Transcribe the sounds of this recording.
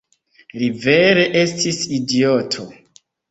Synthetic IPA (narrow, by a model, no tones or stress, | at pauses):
live̞ɾe̞ʔe̞stisidiotʰo